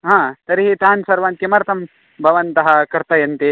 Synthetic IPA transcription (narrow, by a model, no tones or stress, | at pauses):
ɦãːt̪ɐɾiɦit̪aːnsɐɾʋaːnkimɐɾt̪ʰɐm | bʱɐʋɐnt̪ɐɦɐkɐɾt̪ɐjɐnt̪e